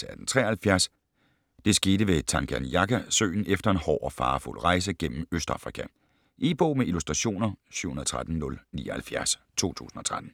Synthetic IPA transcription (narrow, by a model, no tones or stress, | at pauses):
səæd̥n̩t͡sʰʁɛ̰ːɐhælfjæɐs | d̥e̝sɡ̥e̝ːɾəʋe̝t͡sʰɑ̈ŋɡ̥ʰæ̰nijɑ̈ɡʰæsø̰ːɪn̩efd̥ɐe̝nhɒ̰ːʔɒ̽fɑ̈ːfṵl̰ʁɑ̈ɪs̬əɡ̥en̰m̩øsd̥ʁɑ̈fʁikʰæ | ʔeːb̥ɔ̰ːmeʔilusd̥ʁɑ̈ɕo̝̰ːnɐsy̰ʊ̰hunɐðˠt͡sʰʁad̥n̩nɔ̽lnḭːɐhælfjæɐs | t͡sʰo̝̰ːt͡sʰṵːsn̩ɒ̽t͡sʰʁad̥n̩